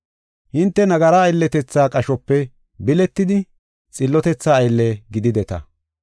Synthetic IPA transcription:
hɪnt̪ːɛnɐɡɐɾaːjlːɛt̪ɛt͡sːaːkʼɐʃɔpːɛ | bɪlɛt̪ːɪd̪ɪ | t͡sʼɪlːɔt̪ɛt͡sːaːjlːɛɡɪd̪ɪd̪ɛt̪ɐ̰

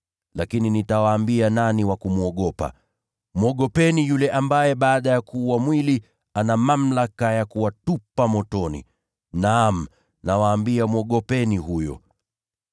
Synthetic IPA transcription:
lakininitawaːmbiananiwakumuɔɠɔpa̰ | mɔɠɔpɛnijulɛʔambajɛɓaːɗajakuːwamwili | anamam̩lakajakuwatupamɔtɔnḭ | nam̩ | nawaːmbiamɔɠɔpɛniɦujɔ̰

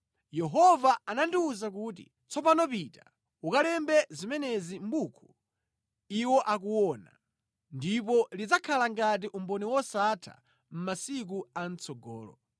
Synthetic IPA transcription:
jɛɦɔvaanandiuzak̬uːt̬ḭ | t͡sɔpanɔpita | ukalɛmbɛzimɛnɛzimbuːkʰu̥ | iwɔʔak̬uwɔna | ndip̬ɔlid͡zakʰalaŋɡat̬iʔumbɔniwɔsatʰa̰ | m̩masik̬uan̩t͡sɔɡɔ̰ːlɔ̰

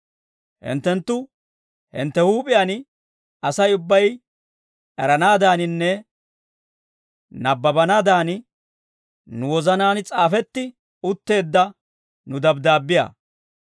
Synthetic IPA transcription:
hɪ̰nt̪ːɛnt̪ːʊ | hɪ̰nt̪ːɛhuːpʼɪjan | ɐsɐjʊbːɐj | ʔɛɾɐnaːd̪aːnɪnːɛ | nɐbːɐbɐnaːd̪aːn | nʊwɔzɐnaːnt͡sʼaːfɛt̪ːɪ | ʊt̪ːe̞ːd̪ːɐ | nʊd̪ɐbd̪aːbːɪja̰ː

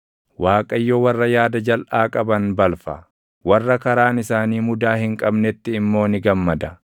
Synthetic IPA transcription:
waːkʼɐjːowɐrːɐjaːd̪ɐd͡ʒɐlʔaːkʼɐbɐnbɐlfɐ̰ | wɐrːɐkɐɾaːnɪsaːniːmʊd̪aːhɪŋkʼɐbnɛt̪ːɪːmːo̞ːnɪɡɐmːɐd̪ɐ

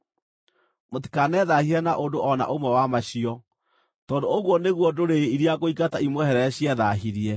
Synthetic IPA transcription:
moti̥kanɛðahiɾɛnaʔondoʔɔna̰ʔomwɛwamaɕiɔ | tɔndooɣwɔneɣwɔdoɾeiɾiaɣoikataimwɛhɛɾɛɕiɛðaɦiɾiɛ

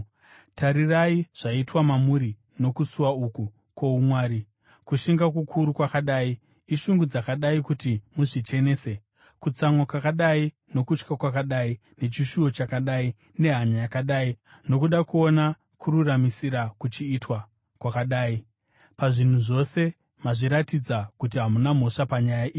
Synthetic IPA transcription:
taɾiraiʐ̥aitwamamuɾi | no̞kusuwauku | kwo̞umwaːɾi | kuʃiŋɡakukʰuɾukwakaɗaːiː | ʃuŋɡud͡zakaɗaikutimuʐit͡ʃe̞ne̞ːse̞ | kut͡samwokwakaɗai | no̞kut͡ʃkakwakaɗai | ne̞t͡ʃiʃuo̞t͡ʃakaɗai | ne̞ɦaɲajakaɗaːi | no̞kuɗakuo̞na | kʰururamisiɾakut͡ʃiːtwa | kwakaɗaːi | paʐin̤uʐo̞se̞ | maʐiɾatid͡zakutiɦamunam̤o̞ʂapaɲajaʔiːi

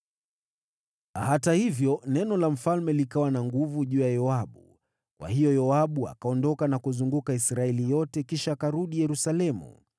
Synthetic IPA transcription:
hatahivjɔnɛnɔlam̩falmɛlikawanaŋɡuvuʄuːjajɔaɓu | kwa̰hijɔjɔaɓua̰kaɔndɔkanakuzuŋɡukaisɾaɛlijɔtɛkiʃaːkaɾuɗijɛɾusalɛmṵ

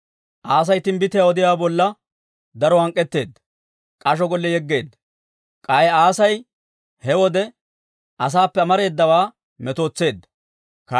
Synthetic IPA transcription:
ʔaːs̬ɐjt̪ɪnbɪt̪ɪjaːwɔd̪ɪjaːbɔlːɐ | d̪ɐɾɔɐŋkʼːɛt̪ːe̞ːd̪ːɐ | kʼɐʃ̬ɔɡɔlːɛjɛɡːe̞ːd̪ː | kʼɐjɛaːsɐj | hɛwɔd̪ɛ | ʔɐs̬aːpːɛɐmɐɾe̞ːd̪ːɐwaː | mɛt̪o̞ːt͡sːe̞ːd̪ːɐ | kɐ

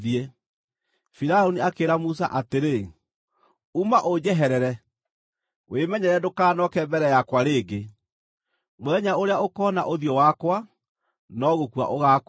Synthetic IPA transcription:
iɛ | fiɾaoniakeɾamus̬a̰ʔateɾe | umaʔod͡ʑɛɦɛɾɛɾɛ | wʔemɛɲɛɾɛdokaːnɔkɛmbɛɾɛjakwaɾeːɡe | mwɛɲaoɾeaokɔna̰ʔoðjɔwakwa | nɔɣokwa̰ʔoɣak

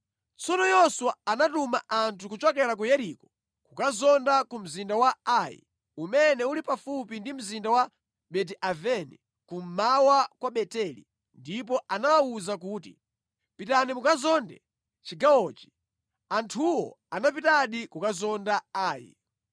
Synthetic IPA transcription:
t͡sɔnɔjɔswaanatumaʔantʰukut͡ʃɔkɛɾak̬ujɛɾikɔ̥ | kukazɔndakum̩zindawaajḭ | umɛnɛulipafupindim̩zindawa | ɓɛt̬iʔavɛnḭ | kum̩mawakwaɓɛtɛlḭ | ndipɔanawawuzakuːtḭ | pitanimukazɔndɛ̰ | t͡ʃiɡawɔːt͡ʃi̥ | antʰuwɔ̰ | anap̬itaɗikukazɔndaaːjḭ

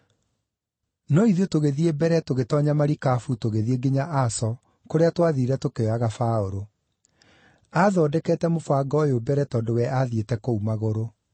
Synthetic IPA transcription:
nɔiðiotoɣeðiebɛɾɛtoɣetɔɲamaɾikafutoɣeðieɡeɲaʔasɔ | koɾeatwaðiɾɛtokeoaɣafaoɾo | aðɔdɛkɛːtɛmofwaɡɔjobɛɾɛtɔːndowɛʔaðietɛkoumaɣoɾo

